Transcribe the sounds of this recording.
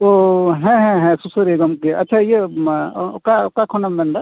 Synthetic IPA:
oɦɛ̃ɦɛ̃ɦɛ̃susəɾeɡəmkeɐ̰tːʃʰaje | kakakʰonɐmbɐ̃nd̪a

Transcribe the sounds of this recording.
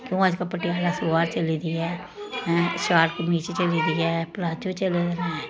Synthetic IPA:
kjõːəd͡ʒkapəʈiaːlaːsoaːɾt͡ʃəliːd̪iɛ̃ː | ʃaːɾkmiːt͡ʃet͡ʃəliːd̪iɛːplaːd͡ʒot͡ʃəled̪naːɛ

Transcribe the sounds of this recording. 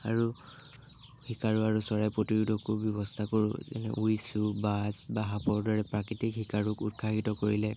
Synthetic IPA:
aɹu | hikaɹuaɹusɔɹajpɹotiɹudʱɔkʊbjɔβɔstʰakoɹʊ̰zɛ̰nɛ̰ʔujsubazbaɦapɔɹdɔɹɛpɹakitikhikaɹukut̚kʰːakitɔkoɹilɛ

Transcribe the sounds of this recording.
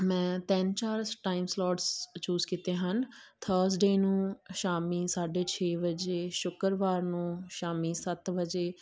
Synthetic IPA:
mɛ̃ːt̪ɛnt͡ʃaːɾʈaːɪmslɔːʈst͡ʃuːzkiːt̪eːɦənt̪ʰəːɾsɖeːnũːʃaːmiːsaːɖeːt͡ʃʰeːbəd͡ʒeːʃʊkəɾʋaːɾnũːʃaːmiːsət̪bəd͡ʒeː

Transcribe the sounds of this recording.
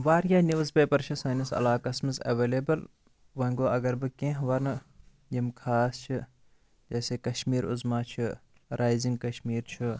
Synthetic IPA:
ʋaːɾjaːniʋzbeːpɐɾt͡ʃʰɐsɐːnisɐ̰laːkɐsmɨzɐ̰ʋeːleːbɐl | ʋɐŋɡoːɐɡɐɾbɨkẽɦʋɐnɨ | jimkʰaːst͡ʃʰi | d͡ʒɐːseːkɐʃmiːɾʊ̰zmaːt͡ʃʰi | ɾaːjziŋɡ̚kɐʃmiːɾt͡ʃʰi

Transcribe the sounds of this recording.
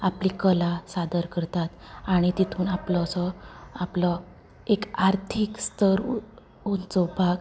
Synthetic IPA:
aplikəlasad̪əɾkəɾt̪at̪aɽ̃it̪it̪ʰuːnaplɔsɔaplɔ | ekaɾt̪ʰikst̪ʰəɾ | unt͡sɔbʱaɡ

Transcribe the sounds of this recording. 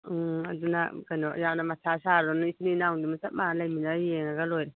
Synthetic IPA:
ɐ̰dunɐ̰kɐjnɔjawnɐmatʰasaɾdɔnisninawŋdumasɐp̚malajminajeŋɐɡɐlojɾi

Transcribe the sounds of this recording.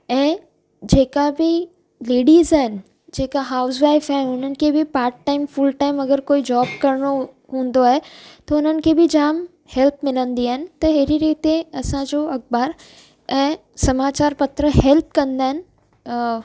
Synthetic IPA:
ɛ̃ː | d͡ʑeːkabɪ | leːɖiːzaːɦɪnɪ̆ | d͡ʑeːkaɦaːʊsʋaːɪfaɦɪnʊn̤ənɪ̆kʰeːbɪpaːɾʈʈaːɪmfʊlʈaːɪmɐɡəɾkoːid͡ʑaːb̚kɐɾɽ̃o | ɦũːn̆d̪oaːɦet̪ɐʊn̤ənɪ̆kʰeːbɪd͡ʑaːm | hɛlp̚mɪlə̃nd̪iaːɦɪnɪ̆t̪ɐɦeɾiɾiːt̪eɐsãd͡ʑoɐk̚baːɾ | ɛ̃ː | sɐmaːt͡ɕaːɾpɐt̪ɾəɦɛlp̚kɐ̃nd̪aːɦɪnɪ̆

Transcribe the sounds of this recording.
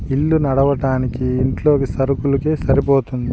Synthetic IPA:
ilːunɐɽɐʋɐʈaːnikiːɳʈlo̞ːkisɐɾukulukeːsɐɾipoːt̪und̪ii

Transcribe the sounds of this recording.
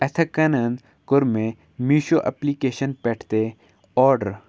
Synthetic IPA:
ɐt̪ʰɐkɐnɐnd̪ | kʊɾmẽ | miːʃoʔɐ̰plikeːʃənpɛːʈʰt̪e | ɔːɾɖəɾ

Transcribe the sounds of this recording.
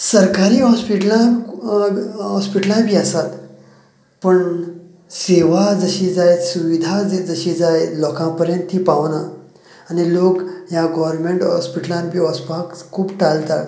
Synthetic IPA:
səɾkaɾiːɦɔspiʈlã | ɦɔspiʈlãbʱiːasat̪ | pəɳ | seʋad͡zəɕid͡zajsuʋid̪ʱad͡zəɕid͡zajlɔkãpəɾjə̃nt̪ʰːiːpaʋnaː | nilokjaɡɔʋəɾmeɳʈɦɔspiʈəlãnbʱiːɦɔspakkʰːuːpʈalt̪at̪

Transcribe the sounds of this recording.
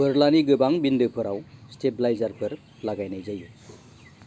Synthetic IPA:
bɯɾlaniɡɯbaŋbindɯpʰɯɾawstep̚lajzaɾpʰɯɾ | laɡajnajzaju

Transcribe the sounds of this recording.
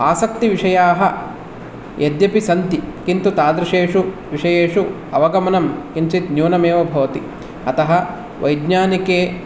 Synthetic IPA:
aːsɐk̚t̪iʋiʂɐjaːɦɐ | jʔed̪jɐpisɐnt̪ikint̪ut̪aːd̪ɾɐʂeːʂuʋiʂɐjeːʂu | ɐʋɐɡɐmɐnɐmkint͡ʃit̪njuːnɐmeːʋɐbʱɐʋɐt̪i | ɐt̪ɐɦɐ̆ | ʋʔɐjd̪ɲaːnikeː

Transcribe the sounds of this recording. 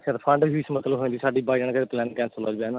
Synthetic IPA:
kʰeɾpʰə̃ɳɖɦiːsmət̪ləbɦoẽːd̪iːsaːɖiːbaːid͡ʒəɳkəɾeːplɛːnkɛ̃ːnsələd͡ʒbeːnː

